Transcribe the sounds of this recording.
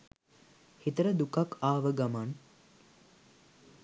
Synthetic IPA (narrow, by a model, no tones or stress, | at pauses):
hit̪əɾəd̪ukakaːʋəɡaman